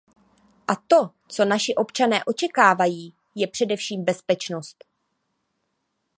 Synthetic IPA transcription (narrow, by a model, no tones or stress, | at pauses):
ʔat̪o̞ | t͡so̞naʃɪʔo̞pt͡ʃanɛːʔo̞t͡ʃɛkaːvajiː | jɛpr̥ɛdɛfʃiːmbɛspɛt͡ʃno̞st̪